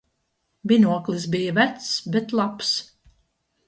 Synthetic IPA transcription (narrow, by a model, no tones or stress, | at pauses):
binuɔklˠis̬bijəvæt̪sbet̪lˠaps